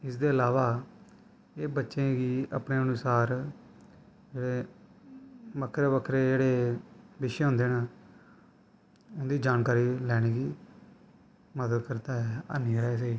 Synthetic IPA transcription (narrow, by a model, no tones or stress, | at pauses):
ɪsd̪eːəlaːʋaː | eːbətːʃẽːɡiːə̰pɳeːənʊsaːɾ | d͡ʒeːɽeː | məkʰɾeːʋəkʰɾeːd͡ʒeːɽeːbɪʃɦõːnd̪eːnaː | ʊnd̪iːd͡ʒaːnkaːɾiːlɛːɽ̃eːɡiː | məd̪əd̪kəɾt̪aːɦɛːa̰ːniːɾaːs̬iː